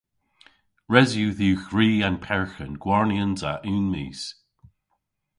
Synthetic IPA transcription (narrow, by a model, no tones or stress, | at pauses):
ɹɛzjʉðuːxɹiːanpʰɛɹxənɡ̥wɔɹniənza̰ʔʉːnmḭːz̥